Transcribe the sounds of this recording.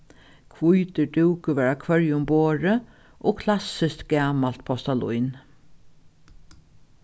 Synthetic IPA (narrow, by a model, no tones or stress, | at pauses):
kʰvujt̪əɖuwkəʋæːɹakʰvœɹjʊmboːɹə | ʔoːkʰlasɪst̪ɡ̥æːmal̥t̪pʰɔst̪alṵjn